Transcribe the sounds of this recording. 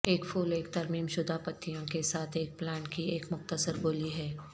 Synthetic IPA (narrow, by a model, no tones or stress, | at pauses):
eːkfʰuːleːkt̪ɐɾmiːmʃʊd̪ʱapət̪ʰːijõkesaːt̪ʰeːk̚plɛːnkieːkmʊxt̪əsəɾɡoːliɦɛː